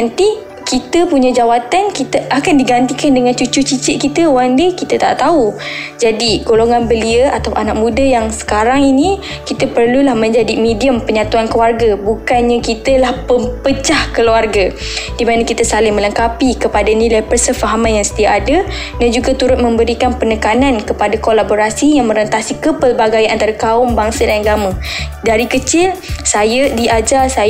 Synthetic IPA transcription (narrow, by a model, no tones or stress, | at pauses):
nt̪i | kit̪əpuɲãd͡ʒawat̪ankit̪əʔakandiɡant̪ikandəŋant͡ʃut͡ʃut͡ʃit͡ʃɪʔ̚kit̪əowaŋdikit̪at̪a̰ʔt̪aud͡ʒadiɡoloŋanbəliəat̪awʔanak̚mũdajaŋsə̥kaɾaŋini | kit̪əpərlulahmə̃ɲd͡ʒadimẽdiəmpəɲat̪uankluarɡabukanɲakit̪əlahpəmpəd͡ʒahkəluarɡa | d̥imanakit̪əsalɪŋmə̃ləŋkapikəpadanĩlajpərsəfaɦamanjaŋsə̥t̪iaʔːda | dand͡ʒuɡat̪uɾʊt̪̚mə̃mbəɾikanpənəkanankəpadakolaboɾasijaŋmə̃ɾənt̪asikəpəlbaɡajant̪aɾakaʊmbaŋsədajaɡamədaɾikət͡ʃɪlsajədiʔad͡ʒalsa